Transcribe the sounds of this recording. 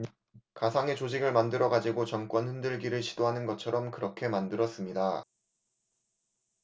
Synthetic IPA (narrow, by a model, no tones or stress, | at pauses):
kasʰaŋe̞t͡ɕod͡ʑiɡɯɭmandɯɾʌɡad͡ʑiɡot͡ɕʌmk͈wʌnɸɯndɯɭɡiɾɯɭɕʰid̥oɦanɯnɡʌt͡ɕʰʌɾʌmkɯɾʌkʰe̞mandɯɾʌs͈ɯmɲida